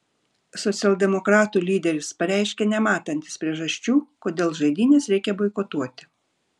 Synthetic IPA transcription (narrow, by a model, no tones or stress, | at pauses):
sɔt̪sʲɛlˠʲd̪ʲɛmɔkɾɑːt̪uːlʲiːd̪ʲɛɾʲɪspɐɾʲæˑɪʃʲkʲɛːnʲɛmɑːt̪ɐnʲt̪ʲɪ̥spʲɾʲiɛʒɐʃʲt͡ʃʲuːkoːd̪ʲeːlˠʒɐɪd̪ʲiːnʲeːsɾʲɛɪkʲɛbɔɪkot̪uɔt̪ʲɪ̥